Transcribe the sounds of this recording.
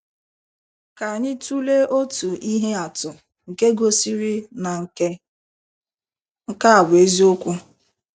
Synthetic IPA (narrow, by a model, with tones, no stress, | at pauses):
ka˨ɲɪ˦tu˦le˦ʔo˦tu˨i˦ɦe˦a˨tʊ˨ | ŋ̩˨ke˦ɡo˦si˦ɾi˦na˨ŋ̩˨ke˦ | ŋ̩˦ka˦a˨bʊ˨e˦zi˦o˦kʷʊ˦